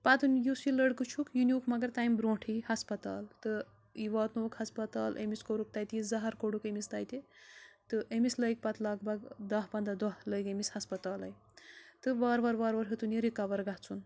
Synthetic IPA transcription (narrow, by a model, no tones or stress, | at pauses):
pat̪unjusiləɽkɨt͡ʃʰukjuniukmɐɡɐɾt̪ajmbɾõːʈʰihɐspɐt̪a̰ːlt̪ɨ | iʋaːt̪noːkhɐspɐt̪aːlḛmiskoɾuk̚t̪ajt̪izɐɦɐɾkoɽukemist̪ajt̪it̪ɨʔemisləjk̚pɐt̪laːɡbɐɡd̪ɐɦpɐnd̪ad̪ɐɦləjkemishɐspɐt̪aːlɐj | t̪ɨʋaːɾʋɐɾʋaːɾʋɐɾɦet̪uneɾikaʋɐɾɡaɦt͡sʰun